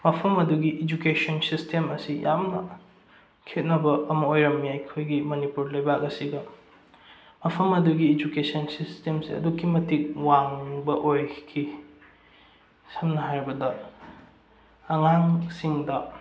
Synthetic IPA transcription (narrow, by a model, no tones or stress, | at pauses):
mɐpʰɐmɐduɡiʔed͡ʒukesonsistʰemɐsijamnɐ̰ | kʰet̚nɐbɐːmɐojɾɐmːijajkʰojɡimɐnipuɾlɐjbak̚ɐsiɡɐ | mɐpʰɐmɐduɡiːd͡ʒukesɐnsistemsiɐ̰dukːimɐtik̚waŋbɐʔojkʰi | sɐmnɐɦajɾbɐdɐ | ŋaŋsiŋdɐ